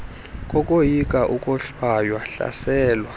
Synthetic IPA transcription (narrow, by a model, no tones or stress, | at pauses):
kʼɔkʼojikʼaʔukʼɔɬwajwaɬa̰sɛːlwa